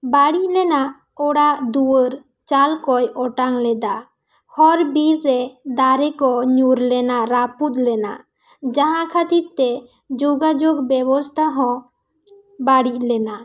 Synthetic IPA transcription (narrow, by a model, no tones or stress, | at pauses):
baɽic̚lɛnaʔ | ɔɽaʔd̪uwəɾ | t͡ʃalkɔjɔʈaŋlɛd̪a | hɔɾbiɾːɛd̪aɾɛkɔɲuɾlɛnaɾaput̪lɛna̰ | d͡ʒãɦãkʰat̪iɾt̪ɛ | d͡ʒoɡad͡ʒoɡbɛbɔst̪ʰaɦɔ̃ | baɽic̚lɛna